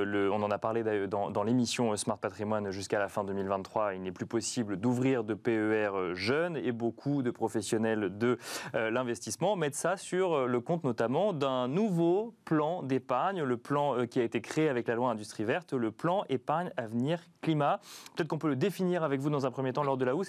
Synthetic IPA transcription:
ləɔ̃nɑ̃napaʁled̪ajœʁd̪ɑ̃d̪ɑ̃lemisjɔ̃øsmaʁt̪̚pat̪χimwanʒyskalafɛ̃d̪əmilvɛ̃nχwailnɛplypɔsibləd̪uvʁiʁd̪əpeøɛʁøʒœnebokʰud̪əpχɔfɛsjɔnɛld̪əølɛ̃vɛst̪ismɑ̃mɛt̪sasyʁləkɔ̃t̪nɔt̪amɑ̃d̪ɛ̃nuvoplɑ̃d̪epaʁɲləplɑ̃kʲiaet̪ekχeːavɛklalwaɛ̃d̪yst̪χivɛʁt̪ləplɑ̃ʔepaʁɲavniʁklimapə̥t̪ɛt̪χəkɔ̃pøləd̪efiniʁavɛkvud̪ɑ̃zɛ̃pχəmjet̪ɑ̃lɔʁd̪əlaus

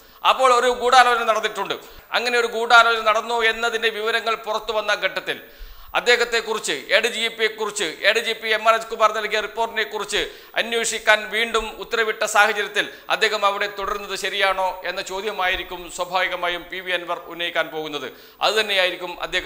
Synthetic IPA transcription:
ɐ̰pːo̞ːɭo̞ɾuɡuːɽaːloːd͡ʑɐnɐɽɐnːiʈːuɳɖɨ̰ɐ̰ŋːɐne̞o̞ɾuɡuːɽaːloːd͡ʑɐnɐɽɐnːue̞nːɐðindeʋiʋɐɾɐŋːɐɭpurɐt̪ːuʋɐnːɐɡʱɐʈːɐt̪ːil | ɐ̰d̪ːe̞ːɣɐt̪ːe̞kːurit͡ɕːɨeːɽɨd͡ʑiepːiekːurit͡ɕːɨʔe̞ːɖɨd͡ʑipːiemːɐreskumaːrnɐlkiɐripːo̞ːrʈːinekːurit͡ɕːɨ | ɐnjoʂikʲːaːnʋiːɳɖumut̪ːɐɾɐʋiʈːɐsaːhɐt͡ɕɐɾjɐt̪ːil | ɐ̰d̪ʱːe̞ːɣɐmɐʋiɽe̞t̪oɽɐɾunːɐðɨɕɐɾijaːɳo̞ːe̞nːɐt͡ɕo̞ːd̪jɐmaːjiɾikʲːumswɐbʱaːʋiɣɐmaːjumpiʋienʋɐrunːɐjikʲːaːnpo̞ːɣun̪ːɐðɨ̰ | ɐ̰ðɨt̪ɐnːe̞jaːjiɾikʲːumɐ̰d̪ʱje̞ːɣ

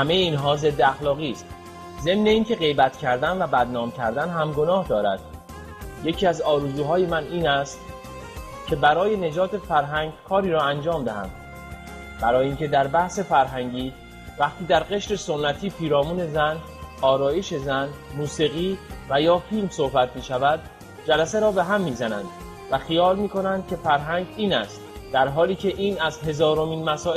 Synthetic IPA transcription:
hæme̞jeiːnɦɒːze̞d̪ːeæxlɒːɣiːst̪ | ze̞mneiːncʰe̞ɣe̞jbæt̪ʰcʰæɾd̪ænvæbæd̪nɒːmcʰæɾd̪ænɦæmɡo̞nɒːhd̪ɒːɾæ̰d̪̥ | je̞cʰiːæzɒːɾuzuːɦɒːjemænʔiːnæst̪ | cʰe̞bæɾɒːje̞ne̞d͡ʒɒːt̪ʰe̞fæɾɦæŋɟkʰɒːɾiːɾɒːænd͡ʒɒːmd̪æhæ̰md̪ | b̥æɾɒːjiːncʰe̞d̪æɾbæhse̞fæɾɦæŋɟiː | væχt̪ʰiːd̪æɾɢe̞ʃɾe̞so̞nːæt̪ʰiːpʰiːɾɒːmuːne̞zæn | ɒːɾɒːjeʃe̞zænmuːsiːɣiːvæjɒːfilmso̞hbæt̪ʰmiːʃævæd̪̥ | d͡ʒælæseɾɒːbe̞ɦæmːiːzænæ̰nd̪̥ | væxijɒːlmiːko̞nænd̪̥̚kʲʰe̞fæɾɦæŋɡiːnæst̪ | d̪̥æɾɦɒːliːcʰe̞ʔiːnæzɦe̞zɒːɾo̞miːnmæsɒː

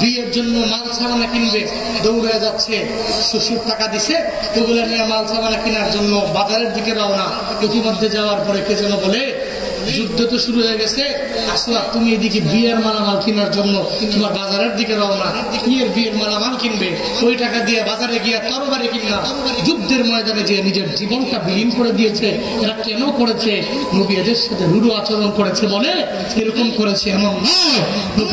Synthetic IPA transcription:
bieɾd͡ʑonːomalt͡ʃʰabanakinbe | d̪owɾojad͡ʑatːɕʰe | ʃoʃuʈakad̪it͡ɕʰe | oɡulaɾnijamalt͡ʃʰabanakinaɾd͡ʒonːobad͡ʑaɾeɾd̪ʱikeɾaona | okimod̪ʱːed͡ʑaoaɾpɔɾeked͡ʑɔnobɔle | d͡ʑud̪ʱːot̪oʃuɾuɦeɡɛt͡ɕʰe | asoat̪umiejd̪ikibieɾmalamalkinaɾd͡ʑonːo | t̪omaɾbad͡ʑaɾeɾd̪ikedana | kieɾbieɾmalamalkinbe | ojʈakad̪ijabad͡ʑaɾeɡijat̪ɔbobaɾekinːa | d͡ʑud̪ʱːeɾmɔed̪aned͡ʑeenid͡ʑeɾd͡ʑibonʈabiliŋkoɾed̪ijet͡ɕʰe | eɾakɛnokoɾet͡ɕʰe | nubijad̪eɾʃat̪ʰeɾuɾuat͡ɕoɾonkoɾet͡ɕʰebole | eɾokomkoɾet͡ɕʰeɛmonma

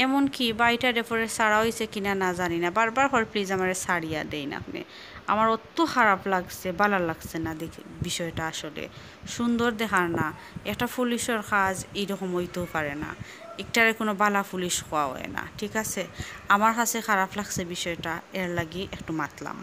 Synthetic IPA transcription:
ɛmɔnkibajtadepʰɔɹesaɾaɦojsekinanazaninabaɹbaɹfʰɔɹplizamaɹesaɽijad̪ejna̰knḭ | a̰maɹɔt̪ːoxʰaɹaplaɡsebalalaɡsenad̪ekʰ | biʃɔjʈaaʃɔlḛ | ʃund̪oɹd̪ɛxʰaɹna | ɛk̚ʈapʰuliʃɔɹxʰazejɾɔxɔmojt̪opʰaɹena̰ | ek̚ʈaɹekonobalapʰuliʃxɔwaɦɔ̰jḛna̰ʈʰikaseamaɹxʰasexʰaɹaplaɡsebiʃɔjʈaɛɹlaɡiʔɛkʈumat̪la̰m

